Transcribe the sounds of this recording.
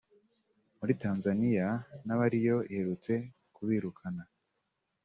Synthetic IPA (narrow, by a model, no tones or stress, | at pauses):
muɾitaːnzanijanaβaɾijo̞ihe̞ɾut͡se̞ | kuβiːɾukʰana